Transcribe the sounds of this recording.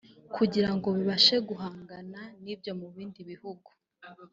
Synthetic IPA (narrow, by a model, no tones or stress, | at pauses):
kʰuɟiɾaŋɡo̞βiβaʃe̞ɡuɦaːŋɡananibjo̞muβiːndiβihuɡu̥